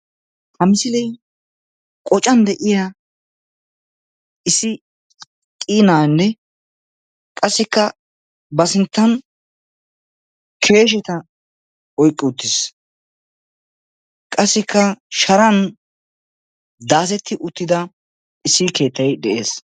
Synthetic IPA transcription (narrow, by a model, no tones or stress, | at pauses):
hɐmɪsɪlɛj | kʼɔt͡ʃʼːɐnd̪ɛʔɪja | ʔɪsɪ | kʼiːnaːnːɛ | kʼɐsːɪkːɐ | bɐsɪnt̪ːɐn | kʰe̞ːʃ̬ɛt̪ɐ | ɔjkʼːɪʊt̪ːɪs | kʼɐsːɪkːɐʃɐɾɐn | d̪aːs̬ɛt̪ʰːɪʔʊt̪ːɪd̪ɐ | ʔɪsːɪke̞ːt̪ːɐjd̪ɛʔḛːs